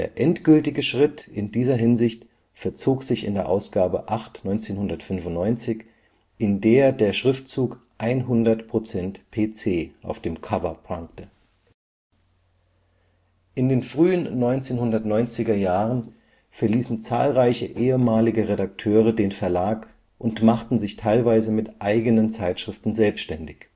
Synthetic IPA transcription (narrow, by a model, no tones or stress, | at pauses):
d̥eːɐʔɛntɡ̥ʏltɪɡəʃʁ̥ɪtʔɪndiːzɐɦɪnzɪçt | fɛɐt͡soːkz̥ɪçɪ̰ndeːɐʔaʊsɡ̥aːbə̰ʔaχtnɔʏnt͡seːnɦʊndɐtfʏnvʊntnɔʏnt͡sɪç | ʔɪndeːɐdeːɐʃʁ̥ɪftt͡suːkʔaɪnɦʊndɐtpʁ̥ot͡sɛntpʰeːt͡seːʔa̰ʊfd̥eːmkʰavɐpʁaŋktə | ʔɪndeːnfʁ̥yːənːɔʏnt͡seːnhʊndɐtnɔʏnt͡sɪɡɐjaːʁən | fɛɐliːsn̩t͡sa̰ːlʁaɪçəʔeːəmaːlɪɡəʁedak̚tʰøːʁədeːnfɛɐlaːk | ʔʊntmaχtn̩zɪçtʰaɪlvaɪzəmɪtʔaɪɡənənt͡saɪtʃʁ̥ɪftn̩zɛlpstʃtɛndɪç